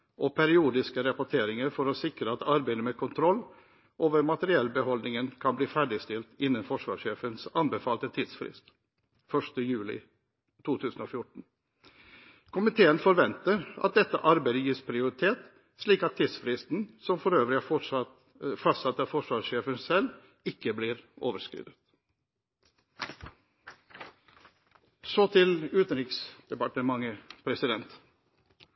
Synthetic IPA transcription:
ʔɔpʰɛɾɪuːd̪ɪskəɾɛpʊʈʰeːɾɪŋəɾfɔɾɔsɪkɾəɑt̪ɑɾbæɪd̪əmɛkʰʊnt̪ʰɾɔlː | ʔoːʋəɾmɑt̪əɾɪɛlbəhɔlnɪŋənkʰɑnbliːfæɖɪst̪ɪlt̪ɪnːənfɔʂʋɑ̰ːʂeːfənsɑnbəfɑːlt̪ət̪ʰiːd̪sfɾɪ̰st̪ | fœʂʈəjʉːlɪ̰ | t̪ʰuːt̪ʰʉːsən̩ɔfjʊʈn̩ | kʰʊmɪt̪ʰeːənfɔɾʋɛnt̪əɾʔɑ̰t̪̚d̪ɛt̪ːə̰ʔɑɾbæɪd̪əjiːspʰɾɪʊɾɪt̪ʰeːt̪ | sliːkɑt̪t̪ʰːiːd̪sfɾɪst̪n̩sɔmfɔɾøːʋəɾɪ | fɑst̪sɑt̪ːɑːfɔʂʋɑːʂeːfənsɛl | ɪkːəbliːɾoːʋəɾskɾḭːd̪ət̪ | sɔt̪ʰɪlʉːt̪ənɾɪksd̪̥ɛpɑʈəmɑŋːəpʰɾɛsɪd̪ɛnt̪

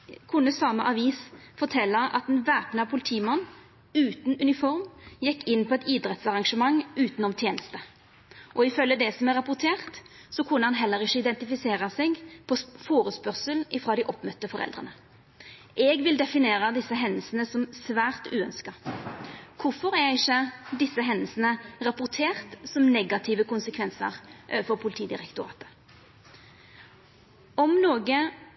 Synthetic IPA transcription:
kʰʊnːəsɑməʔɑʋiːsfɔʁt̪ʰɛlːɑʔɑ̰t̪ɛnʋæːpnəɑpʰʊlɪt̪ʰiːmɑnː | ʉːt̪n̩ʉnɪfɔʁmjɛkːɪnːpʰɔɛt̪iːd̪ʁɛt̪sɑʁɑŋʂəmɑŋːʉːt̪nɔmt̪ʰjeːnəst̪ə | ʔɔɪfœlːəd̪ɛsɔmæʁːɑpʊʁt̪ʰeːʁt̪ | sɔkʰʊnːəhɑnɦɛlːəɾɪçəɪd̪ɛnt̪ɪfɪseːʁɑsɛɡpʰɔfoːʁəspœʁsəln̩ɪfʁɑːd̪ɪʔɔpːmœt̪ːəfɔɾɛ̰ld̪ʁə̰nə | ʔɛɡʋɪld̪ɛfɪneːɾəd̪ɪsːəɦɛnːəlsnəsɔmsʋæːʁt̪ʉːœnskɑ | kʰʊfɔɾæɪçːəd̪ɪsːəɦɛnːəlsənəʁɑpʊʁt̪ʰeːʁt̪sɔmnɛɡɑt̪ʰɪʋəkʰʊnsəkʰʋɛnsə̰ʁʔøːʋəfɔʁpʰʊlɪt̪ʰiːd̪ɪ̰ʁɛkt̪ʊɾɑ̰ːt̪ə̥ | ɔmnoːɡə

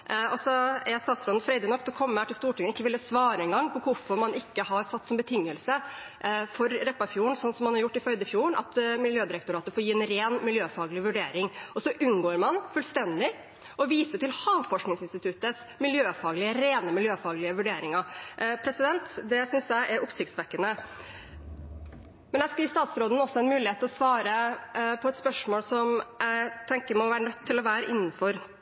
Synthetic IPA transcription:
ɔsɔɛst̪ɑːt̪sɾɔnn̩fɾɛɪd̪ənɔk̚ːt̪ʰɔkʰɔmːəhæːʈɪlst̪uːʈʰɪŋːənɪkːəʋɪlːəsʋɑːɾəɛnɡɑŋːpʰɔkʰʊɾfɔɾmɑnɪkːəɦɑɾsɑt̪ːsɔmbət̪ʰɪŋːəlsə | fɔɾɾɛpːɑfjuːəɳsɔnsɔmhɑnhɑɾjʊʈːɪfœʏd̪əɪfjuːəɳɑ̰t̪mɪljøːd̪ɪɾəkt̪ʊɾɑːt̪əfɔːɾjiːɛnɾeːnmɪljøːfɑːɡlɪʋʉɖeːɾɪŋɔsɔʔʉnɡoːɾmɑnfʉːlst̪ɛnd̪ɪ | ɔʋiːsəʈɪlhɑːʋfɔʂknɪŋsɪnst̪ɪt̪ʰʉt̪əs | mɪljøːfɑːɡlɪəɾeːnəmɪljøːfɑːɡlɪəʋʉɖeːɾɪŋɑpʰɾɛsɪd̪ɛnt̪d̪ɛsʏnsjæɪʔɛɾʊpsɪkt̪sʋɛkːənə | mɛnjæskɪst̪ɑːt̪sɾoːd̪ən̩ɔsɔɑɛnmʉːlɪheːt̪ʰːɪlɔsʋɑːɾəpʰɔɛt̪spœʂmoːlsɔmæɪt̪ʰɛŋkəɾmɔʋæːɾəɳœt̪ʰːɪlɔʋæːɾəʔɪnːn̩fɔɾ

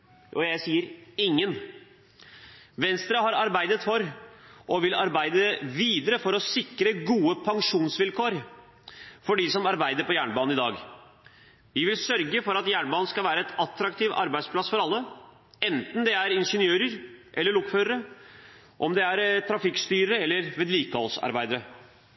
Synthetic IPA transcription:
ɔjæɪsiːəɾɪŋːən | ʋɛnst̪ɾəɦɑɾɑɾbæɪd̪ət̪fɔɾʔɔʋɪlɑɾbæɪd̪əʋiːd̪əɾəfɔɾɔsɪkɾəɡuːəpʰɑŋʂuːnsʋɪlkʰoːɾ | fɔɖisɔmɑɾbæɪd̪əɾpɔjæːɳəbɑːnn̩ɪd̪ɑ̰ːɡ | ʋɪʋɪlsœɾɡəfɔɾɑt̪jæːɳbɑːn̩skɑlʋæːɾəɛt̪ɑt̪ːɾɑkt̪ʰiːʋɑ̰ɾbæɪspʰlɑsfɔɾɑlːə | ɛnt̪n̩d̪ɛæɾɪnʂənjøːɾəɾʔɛlːəɭʊkføːɾəɾə | ʔɔmd̪ɛæɾt̪ʰɾɑfɪkst̪yːɾəɾəɛlːəɾʋeːd̪liːkəhɔ̰lsɑ̰ɾbæɪd̪əɾə

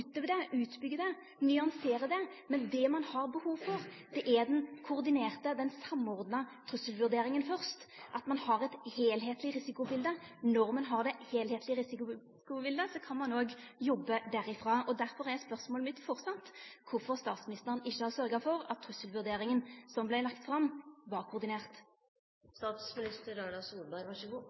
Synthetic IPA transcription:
t̪əʋɛd̪ɛʔʉːt̪bʏɡːəd̪ɛ | nʏɑnseːɾəd̪ɛmɛnd̪ɛmɑnhɑɾbəhuːʋfɔɾ | d̪̥ɛʔæɾd̪ɛnkʰʊʁd̪ɪneːʁt̪əd̪ɛnsɑmːɔɾd̪nɑt̪ʰɾʉsːəlʋʉʁd̪eːɾɪŋənfœɾst̪ʔɑt̪mɑnhɑʁɛt̪heːlɦeːt̪lɪɾɪsɪkʊbɪld̪ənɔɾmɑnɦɑʁd̪ɛheːlheːt̪ʰlɪɾɪsɪkʊ | kʊbɪld̪əsɔkʰɑnmɑnoːɡjɔbːəd̪æɾɪfʁɑːʔɔd̪æʁfɔʁɛʁɛspœʁsmoːləmɪt̪ːfɔʁsɑt̪ːkʰʊɾfɔʁst̪ɑːt̪smɪnɪst̪əʁənɪçːəhɑʁsœʁɡɑfɔɾɑt̪ʰːʁʉsəlʋʉʁd̪eːɾɪŋənsɔmblæɪlɑkt̪fɾɑmʋɑʁkʰʊʁd̪ɪneːʁt̪ | st̪ɑːt̪smɪnɪst̪əɾɑɖɑsuːlbɑɪʋɑəʊ

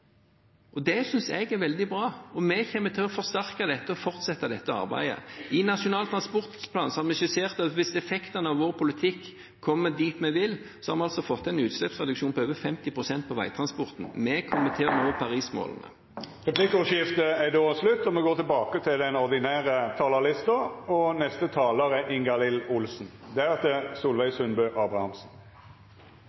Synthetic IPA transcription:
ʔɔd̪ɛsʏnsɛɡæɾʋɛld̪ɪbɾɑːɔmɛçɛmːət̪ʰɪlɔfɔʁst̪æʁkəd̪ɛt̪ːəɔfɔʁt̪sɛt̪ːəd̪ɛt̪ːəɑ̰ʁbæ̰ɪə̰ɪnɑʂʊnɑːlt̪ʰʁɑnspɔʁt̪pʰlɑ̰ːnsɔhɑɾmɛɪʃəseːʁt̪ɑt̪ʋɪsɛfɛkt̪ənəɑʋʋoːʁpʰʊlɪt̪ʰɪkː | kʰːɔmːəd̪iːt̪mɛʋɪl | sɔ̥hɑɾmɛɑlsɔfɔt̪ːɛɪnʉːt̪slɛpsʁɛd̪ʉkʃuːnpɔøːʋəfɛmt̪ɪpʰʁʊsɛnt̪̚pʰɔʋæ̰ɪt̪ʰɾɑnspɔʁt̪n̩mɛkʰʊmət̪ʰeːnoːpʰɑʁiːsmo̰ːlnə̰ | ʁɛpʰlɪkəʊʂɪft̪əæd̪oːslʉt̪ːɔmɛɡoːt̪ʰɪɛlbɑːkət̪ʰɪld̪ɛnɔʁd̪ɪnæːɾət̪ʰɑːləlɪst̪əɔnɛst̪ət̪ʰɑːləɾæʔɪŋɡɑlɪlʊlsn̩d̪ɛæɾɛt̪ːəsuːlʋæɪsʉnbœːʔɑːbʁɑhɑmsn̩

